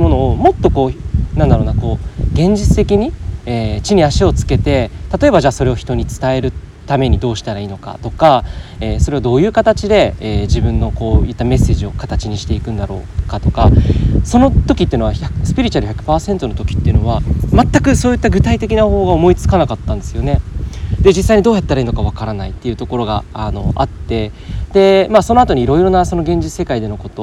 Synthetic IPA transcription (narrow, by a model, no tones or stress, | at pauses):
mo̞no̞ːmo̞t̪ːo̞ko̞ːnãnd̪aɾo̞ːnako̞ːɡẽ̞ɲ̟d͡ʑit͡sɨ̥t̪e̞kʲiɲ̟ieːt͡ɕiɲ̟iaɕio̞t͡sɨ̥ke̞t̪e̞t̪at̪o̞e̞βbaʑaːso̞ɾe̞o̞çi̥t̪oɲ̟it͡sɨ̥t̪ae̞ɾɯ̟ | t̪ame̞ɲ̟id̪o̞ːɕi̥t̪aɾaiːno̞ka̰t̪o̞kaeːso̞ɾe̞βad̪o̞ːjɯ̟ːkat̪at͡ɕid̪e̞ːʑibɯ̟̃nːo̞ko̞ːji̟t̪ːame̞sːe̞ːʑio̞kat̪at͡ɕiɲ̟iɕi̥t̪e̞ikɯ̟̃nd̪aɾo̞̰ːkat̪o̞kaso̞no̞t̪o̞kʲit̪ːe̟no̞açasɨ̥pʲiɾʲit͡ɕaɾɯ̟çʲakɯ̟̥paːsẽ̞nt̪o̞not̪o̞kʲi̥t̪ːeɯ̟no̞βamat̪ːakɯ̟so̞ːjɯt̪ːaɡɯ̟t̪ait̪e̞kʲinaho̞ːɡaomo̞it͡sɨ̥kanakat̪ːãnd̪e̞sɨjo̞ned̪e̞d͡ʑisːaiɲid̪o̞ːjat̪ːaɾaiːno̞kaβ̞akaɾanait̪ːe̞iɯ̟t̪o̞ko̞ɾo̞ɡa̰ano̞̰at̪ːe̞ | d̪e̞maso̞no̞at̪o̞ɲ̟iːɾo̞iɾo̞naso̞no̞ɡẽ̞ɲ̟d͡ʑit͡sɨ̥sekaid̪e̞no̞ko̞t̪o